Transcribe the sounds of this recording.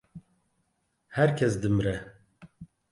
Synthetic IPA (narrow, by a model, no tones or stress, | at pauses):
hɛɾkʰɛsd̪ɨmɨɾɛ